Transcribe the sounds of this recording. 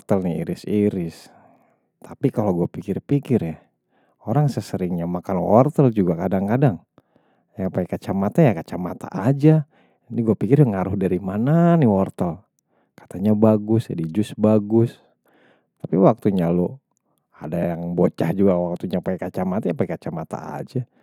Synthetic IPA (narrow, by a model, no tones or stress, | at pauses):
t̪əlniḭɾɪsiɾɪs | t̪apikaloɡuapikɪrpikɪrja | oɾaŋsəsəɾɪŋɲamakanwɔ̰rt̪əld͡ʒuɡakadaŋkadaŋ | jaŋpaikat͡ʃamat̪ajakat͡ʃamat̪a̰ʔad͡ʒa | d͡ʒaniɡuapikɪrjŋaɾʊhdaɾimananiwɔrt̪əl | kḁt̪aɲabaɡʊsd͡ʒadid͡ʒʊsbaɡʊs | t̪apiwak̚t̪uɲalo | a̰dajaŋbot͡ʃahd͡ʒuɡawak̚t̪uɲapaikat͡ʃamat̪ajapaikat͡ʃamat̪a̰a̰d͡ʒa